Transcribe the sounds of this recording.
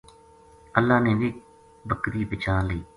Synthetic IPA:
əlːaːnẽːʋiː | bəkɾiːpɪt͡ʃʰaːliː

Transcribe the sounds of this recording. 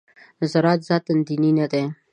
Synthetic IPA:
zɐɾaːt̪zaːt̪ənd̪ininat̪e

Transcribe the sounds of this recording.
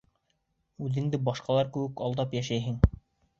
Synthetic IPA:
ʉðɘ̆ŋd̪ɘbɑʃqɑlˠɑɾkɘ̆wɘkɑlˠd̪ɑpjæʃæjɦɘŋ

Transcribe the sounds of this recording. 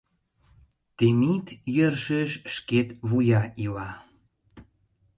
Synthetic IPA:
t̪emit̪jərʃəʃʃket̪βujɑʔilɑ

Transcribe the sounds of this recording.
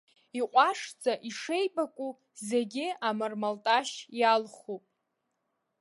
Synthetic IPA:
iqʷʼaʂd͡zaʔiʂe̞jbakʷʼu | ze̞ɡʲɪamɨrmaltʼaʃjalχupʼ

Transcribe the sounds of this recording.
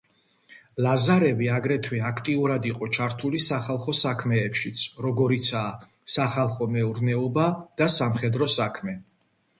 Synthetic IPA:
lazaɾɛviaɡɾɛt̪ʰwɛakʰt̪ʼiuɾad̪iqʼɔt͡ʃʰaɾt̪ʰulisaχalˠχɔsakʰmɛːpʃit̪sʰɾɔɡɔɾit̪sʰaː | saχalˠχɔmɛuɾnɛɔbad̪̥asamχɛd̪ɾɔsakʰmɛ

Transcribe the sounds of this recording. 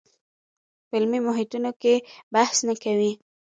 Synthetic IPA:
pɪlmimʊɦɪt̪unokebahsnakawi

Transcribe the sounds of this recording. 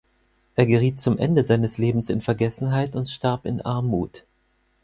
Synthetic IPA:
ʔeːɐɡəʁ̞iːt̚t͡sʊmʔɛ̰ndəzaɪnəsleːbm̩sɪnfɛɐɡɛsn̩ɦaɪtʊntʃtaɐpɪ̰nʔaɐmuːt

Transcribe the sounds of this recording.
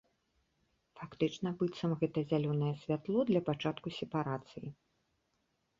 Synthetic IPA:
fakt̪ɨt͡ʂnɐbɨt̪sɐmɣɛt̪ɐzʲalʲɔnɐjɛsʲvʲat̪lˠɔd̪lʲɐpat͡ʂat̪kusʲɛpaɾat̪sɨjḭ

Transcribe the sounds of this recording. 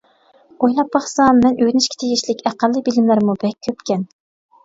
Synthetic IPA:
ojlˠɑpːɑχsɑmːɛnʔøjnɪʃkʲe̥t̪ʰeɡʲiʃlɪkʲæqælːɨbilɪmlæɾmubɛk̚ʲʰːøpkʲɛn

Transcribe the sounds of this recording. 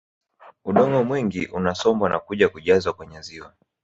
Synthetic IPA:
uɗɔŋɔmwiŋɡiʔunasɔmbwanʔa̰kuʄakuʄazwakwɛɲɛziwa

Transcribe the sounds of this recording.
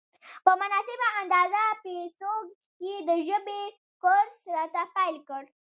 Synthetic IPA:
pəmʊnɑsɪbaand̪ɑzapesoɡ | ked̪əʒəbe | koɾsɾɑt̪afalkəɽ

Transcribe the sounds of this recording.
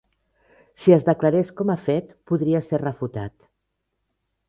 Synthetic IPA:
siəzðəklaɾeskɔmafɛt̪puðɾiaserrəfut̪at̪

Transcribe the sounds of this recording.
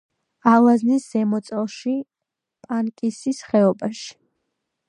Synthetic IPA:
alˠaznisz̥ɛmɔt̪sʼɛlˠʃi | pʼankʼisisχɛɔbaʃi̥

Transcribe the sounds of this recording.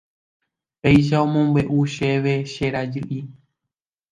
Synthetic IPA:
pejʃ̬aõmõmbeʔuʃeʋe̞ʃeɾad͡ʒɨʔi

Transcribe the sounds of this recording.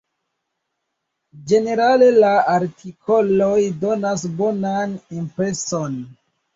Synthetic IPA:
d͡ʒe̞ne̞ɾale̞laaɾtʰikʰo̞lo̞jdo̞nasbo̞nanimpɾe̞so̞n

